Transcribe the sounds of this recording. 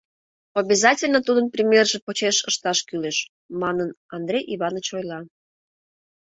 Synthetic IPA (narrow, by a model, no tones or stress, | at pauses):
obʲizɑtʲɪlʲnət̪ud̪ənpɾʲimʲerʒepot͡ɕeʃəʃt̪ɑʃkyleʃ | mɑnən | ɑnd̪ɾʲejʔiβɑnət͡ɕojlɑ